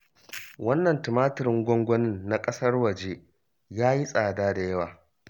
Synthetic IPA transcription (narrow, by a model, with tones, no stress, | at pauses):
wɐ˦nːɐ˨ntɪ˨maː˦tɪ˨ɾɪ˦ŋɡʷɔ˦ŋɡʷɔ˦nɪ˦˨nːa˦kʼɐ˦sɐ˦rwɐ˨d͡ʒe˦ | jaː˦ji˦sʼaː˨daː˦da˨jɐ˦waː˨